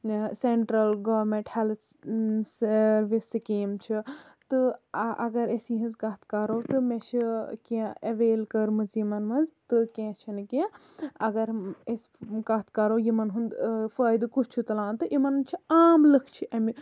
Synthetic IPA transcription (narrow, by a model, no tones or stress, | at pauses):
seɳʈɾɐlɡɐʋɾmẽɳʈhel | sɐɾʋisikeːmt͡ʃʰi | t̪ɨʔɐɡɐɾesiɦɐ̃nzkɐt̪ʰkɐɾoːt̪ɨmet͡ʃʰikiãɐʋeːlkɐɾmɨzjimɐnmɐnzt̪ɨkẽːt͡ʃʰinkiã | ɐɡɐɾeskɐt̪ʰkɐɾoːjimɐnɦund̪fəːjd̪kut͡ʃʰt͡ʃʰut̪ɐlãːt̪ɨʔimɐnnt͡ʃʰiaːmlɨkʰt͡ʃʰiʔɐmi